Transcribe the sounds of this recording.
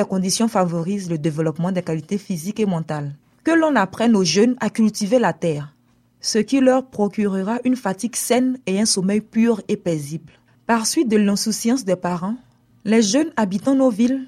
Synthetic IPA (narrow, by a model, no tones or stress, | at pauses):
ɛkɔ̃d̪isjɔ̃favoʁizləd̪evəlɔpmɑ̃d̪ɛkalit̪efizikemɑ̃t̪al | kəlɔ̃napχɛnoʒønakylt̪ivelat̪ɛːʁ | səkʲilœʁpχokʲyʁəʁaʔynfat̪iɡsɛneɛ̃somɛjpyʁepezibl | paʁsɥit̪̚d̪əlɛ̃susjɑ̃sd̪ɛpaʁɑ̃ | lɛʒønabit̪ɑ̃novil